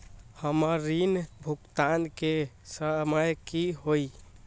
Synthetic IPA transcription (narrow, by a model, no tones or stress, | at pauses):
həməɾːinbʱukt̪ankesəməjkiɦoj